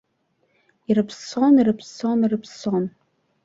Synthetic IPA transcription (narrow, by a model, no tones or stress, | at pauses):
irɨpʰsonirɨpʰsonirɨpʰson